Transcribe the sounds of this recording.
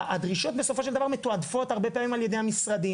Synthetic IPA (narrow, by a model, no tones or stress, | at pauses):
ad̪ʁiʃo̞t̪̚be̞so̞fo̞ʃeldavaʁmet̪oad̪fo̞t̪haʁbe̞peaːmimalje̞d̪ejhamisʁad̪i